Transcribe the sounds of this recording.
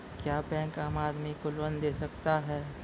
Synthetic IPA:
kjaːbɛ̃ːkaːmaːd̪mikʊlwənd̪eːsɐkt̪aɦɛː

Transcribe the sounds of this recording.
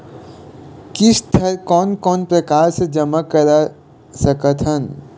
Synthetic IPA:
kɪst̪ʰɐɾkɔːnkɔːnpɾɐkaːɾsed͡ʒɐmakɐɾa | sɐkət̪ʰɦən

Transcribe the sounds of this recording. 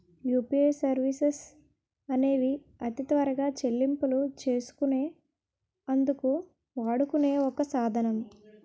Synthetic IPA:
juːpieːsɐɾʋises | ɐne̞ːʋi | ɐt̪it̪ʋɐɾɐɡaːt͡ʃe̞lːimpulut͡ʃe̞ːsu̥kune̞ː | ɐnd̪uku | ʋaːɽukune̞ːɔkɐsaːd̪ʱɐnɐm

